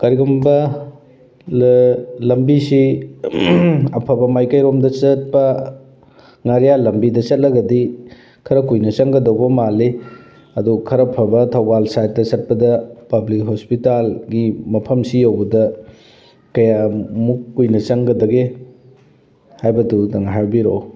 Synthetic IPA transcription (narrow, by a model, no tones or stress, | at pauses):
kaɾiɡɐmbɐ | lɐmbisi | ɐpʰɐbɐmajkɐjɾomdɐt͡ʃɐt̚pɐ | ŋaɾijalɐmbidɐsɐt̚lɐɡɐdi | kʰɐɾɐkujnɐt͡ʃɐŋɡɐdɐwbɐmale | ɐdukʰɐɾɐpʰɐbɐtʰɐwbalsajt̚tɐsɐt̚pɐdɐpɐblik̚ɦospitalɡimɐpʰɐmsijɐwbɐdɐ | kɐjamukːujnɐt͡ʃɐŋɡɐdɐɡe | hajbɐdudɐŋɦaɾbiɾo